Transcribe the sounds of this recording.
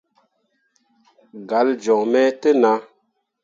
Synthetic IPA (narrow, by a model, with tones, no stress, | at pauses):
ɡa˨˦ld͡ʒɔ˨ŋmɛ˦tə˦na˦